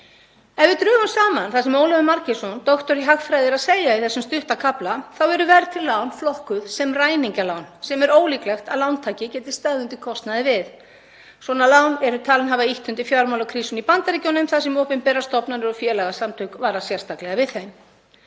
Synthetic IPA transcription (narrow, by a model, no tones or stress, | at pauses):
ɛnvɪt̪ɾʏːɣansaːmanθasɛmowlɛðʏmaɾcɪsɔnt̪ɔxt̪ɔɾiɦaxfɾajðɪɾaðsejaɪθɛsːʏmst̪ʏht̪akʰaplaθawɛɾʏvɛɾt̪ʰɪllːawnflɔhkʏðsɛmraːjniɲcalawnsɛmɛɾoːwliːklɛxt̪a̰ðlawnt̪ʰaːcɪcɛːt̪ɪ̥st̪aɣðʏnt̪ɪkʰɔst̪naðɪvɪð | swɔːnalaːwnɛɾʏt̪ʰaːlɪnɦavaiht̪ʏnt̪ɪfjaːwɾmawlawkʰɾiːsʏnipant̪aɾicownʏmθasɛmowpɪmpɛːrːast̪ɔpnaɾɪɾɔfjɛːlaɣasamt̪ʰʏkvaːɾasjɛr̥st̪ʰaklɛɣavɪðθejm